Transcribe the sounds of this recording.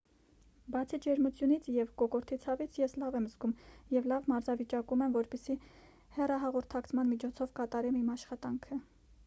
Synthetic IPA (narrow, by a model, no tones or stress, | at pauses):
bɑt͡sʰid͡ʒɛɾmut͡sʰjunit͡sʰjɛvkɔkɔɾt̪ʰit͡sʰɑvit͡sʰjɛslɑvɛmzɡumjɛvlɑvmɑɾzɑvit͡ʃɑkumɛmvɔɾpisi | hɛrɑɦɑʁɔɾt̪ʰɑkt͡sʰmɑnmit͡ʃʰɔt͡sʰɔvkɑt̪ɑɾɛmimɑʃχɑt̪ɑŋkʰə